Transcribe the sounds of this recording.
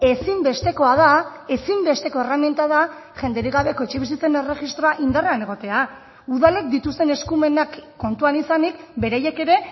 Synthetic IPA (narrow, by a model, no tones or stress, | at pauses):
e̞simbe̞st̪e̞ko̞að̞a | e̞simbe̞st̪e̞ko̞e̞ramjent̪aða | ʝe̞nd̪eɾiɣaβe̞ko̞et͡ʃeβis̬it͡se̞ne̞re̞xist̪ɾo̞aʔind̪areane̞ɣ̞o̞t̪e̞a | uðale̞k̚d̪it̪ust̪e̞ne̞skume̞nakːo̞nt̪uanisanik̚be̞ɾaje̞ke̞ɾe̞